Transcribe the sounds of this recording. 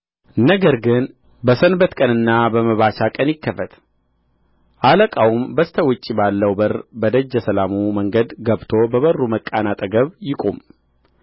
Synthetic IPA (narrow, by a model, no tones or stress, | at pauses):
nəɡəɾɡɨn | bəsənbət̪kʼənɨnːabəməβaʃakʼənjɪkːəfət̪ | ʔaləkʼawumbəst̪ʰəwʊt͡ʃʼːibalːəwbərbəd̪əd͡ʒːəsəlamuməŋɡəd̪ɡəβt̪ʰo̞bəβərːuməkʼanat̪ʼəɡəβjɪkʼṵm